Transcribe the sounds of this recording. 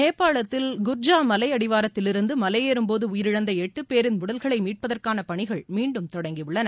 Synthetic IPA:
neːpːaːɭɐt̪ːɪlɡʊɾd͡ʒaːmɐlɐɪɐɽɪʋaːɾɐt̪ːɪlɪɾɯnd̪ɯmɐlɐjeːɾɯmpoːðɯʊjɪɾɪɻɐnd̪ɐɛʈːɯpeːɾɪnmʊɽɐlɣɐɭɐɪmiːʈ̚pɐðɐrkaːnɐpɐɳɪɣɐɭmiːɳɖɯmt̪ɔɽɐŋɡiʋʊɭːɐnɐ

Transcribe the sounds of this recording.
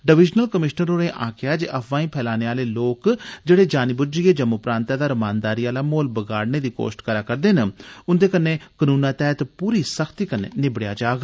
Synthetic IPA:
ɖəʋɪd͡ʒnəlkəmɪʃnəɾoːnẽːʔãːkɪaːd͡ʒeʔəpʰʋãːĩːpʰɛːlaːneːaːleːloːkd͡ʒeːɽeːd͡ʒaːnɪbʊd͡ʒieːd͡ʒəmʊpɾaːnt̪aːd̪aːɾəmaːnd̪aːɾiːaːlaːmoːlbəɡaːɽneːd̪iːko̰ːsʈkəɾaːkəɾd̪eːnʊnd̪eːkənːeːkənũːnãːt̪ɛːt̪puːɾiːsəkʰt̪iːkənːḛːnɪbɽejaːd͡ʒaːɡ

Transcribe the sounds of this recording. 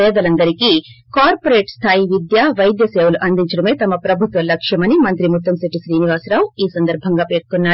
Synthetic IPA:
ɛːd̪ɐlɐnd̪ɐɾikikaːɾpoɾeːʈst̪ʰaːjiʋid̪jaːʋɐjd̪jɐseːwuluʔɐnd̪iɲt͡ʃɐɽɐme̞ːt̪ɐmɐpɾɐbʱut̪ʋɐlɐkʂjɐmɐnimɐnt̪ɾimut̪ːɐmseʈiʃɾiːniʋaːsɾaːwiːsɐnd̪ɐɾbʱɐŋɡaːpeːʈ̚k̪unːaː

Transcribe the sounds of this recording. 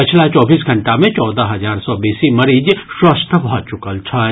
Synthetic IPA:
pɪt͡ʃʰlat͡ʃɔːbiːsɡʱɐ̃ɳʈamẽt͡ʃɔːd̪aɦɐzaːɾsɔbiːsimɐɾiːd͡ʒswəst̪ʰəbʱɔːt͡ʃʊkəlt͡ʃʰaː

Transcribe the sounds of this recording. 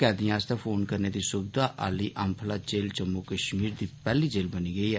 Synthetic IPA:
ɛːd̪ɪ̃jãːst̪aːpʰoːnkəɾneːd̪iːsʊbd̪aːʔaːliːʔəmpʰlaːt͡ʃeːlt͡ʃəmːuːkəʃmiːɾd̪iːpɛːliːd͡ʒeːlbəniːɡəiːɛː

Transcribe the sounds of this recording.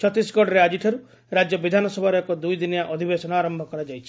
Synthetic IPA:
t͡ʃʰɔt̪isɡɔɽɾead͡ʒiʈʰɔɾu | ɾad͡ʒjɔbid̪ʱanɔsɔbʱaɾɔekɔd̪ujd̪injaʔɔd̪ʱibesɔnɔaɾɔmbʱɔkɔɾad͡ʒajt͡ʃʰi̥

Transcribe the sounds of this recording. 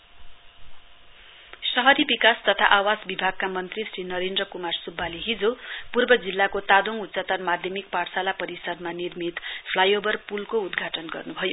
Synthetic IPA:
sʌɦʌd̪ibikast̪ʌt̪ʰaʔawad͡zbibʱaɡ̚kamʌnt̪risrinʌɾendrʌkumarsubʱːaliɦid͡zopurbʌd͡zilːakot̪ad̪oŋut̪sat̪ʌnmad̪ʱjʌmik̚parsalapʌɾisʌd̪manirmit̪pʰlajobʌrpulkoud̪ɡʱaʈʌnɡʌrnubʱʌjo

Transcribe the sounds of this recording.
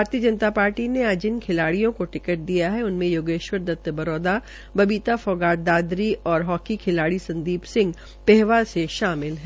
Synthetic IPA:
baːɾt̪ijəd͡ʒɐnət̪apaːɾʈinead͡ʒɪnkʰɪlaːɽijõkoʈɪkəʈ̚d̪ijaɦɛʊnmẽjoːɡeːʃwəɾd̪ɐt̪ːəbɐɾɔːd̪a | bɐbiːt̪afɔːɡaːʈ̚d̪aːd̪ɾiʔɔːɾɦɔːkikʰɪlaːɽisɐ̃nd̪iːbsɪ̃ŋɡ | pɛɦʋaseʃaːmɪlɦɛ

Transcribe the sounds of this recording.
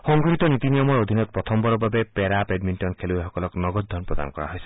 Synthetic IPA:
xɔŋɡɾit̪ɔnit̪inijɔmɔɹod̪ʱinɔt̪̚pɹɔt̪ʰɔmbɔɹɔbabepɛɾaped̚minʈɔnkʰeluexɔkɔlɔknɔɡɔtd̪̚d̪ʱɔnpɹɔd̪a̰nkɔɹa̰ɦojse̥

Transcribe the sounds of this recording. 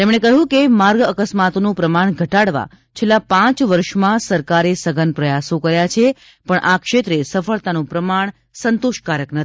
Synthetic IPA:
t̪emɳ̃ekəɦũkemaɾɡəkəsmat̪onũpɾəmaɳ̃ɡʱəʈaɽʋa̰ | t͡ʃʰelːapãt͡ʃʋəɾʃmãsəɾkaɾesəɡʱənpɾəjasõkəɾjat͡ʃʰe | pəɳʔakʃet̪ɾesəfəɭt̪anũpɾəmaɳ | sənt̪oʃkaɾəknət̪ʰi̥

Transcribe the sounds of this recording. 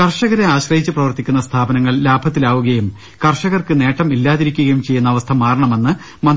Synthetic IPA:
kɐrʂɐɣɐɾeaːɕrɐhit͡ɕːɨprɐʋɐrt̪ikʲːunːɐst̪ʰaːbɐnɐŋːɐɭlaːbʱɐt̪ːilaːʋuɣɐjum | kɐrʂɐɣɐrkɨne̞ːʈːɐmilːaːðiɾikʲːuɣɐjumt͡ɕe̞jːunːɐːʋɐst̪ʰɐmːaːrɐɳɐme̞nːɨ | mɐn

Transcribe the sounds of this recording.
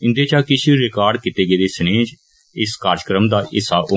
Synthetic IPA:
ɪ̃nd̪eːt͡ʃaːkɪʃʰiɾɪkaːɾɖkɪt̪eːɡeːd̪eːsəneːd͡ʒ | ɪskaːɾd͡ʒəkɾəmd̪aːʔɪsaːʊ

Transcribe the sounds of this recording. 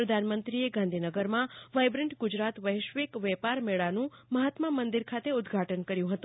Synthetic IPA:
ɾəd̪ʱanmənt̪ɾieɡãnd̪ʱinəɡəɾmãʋajbɾɛɳʈɡʊd͡ʒɾat̪ʋəɦʃʋekʋɛpaɾmeɭanũməɦat̪məmənd̪iɾkʰat̪eʊd̪ɡʱaʈənkəɾjũɦət̪ũ

